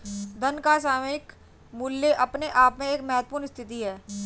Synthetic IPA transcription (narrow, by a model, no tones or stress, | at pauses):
d̪ɐnkasaːmɪk | mʊlːeʔɐpneʔaːpmẽeːkmɛɦət̪̚ːpʊːɾnst̪ʰɪt̪iɦɛː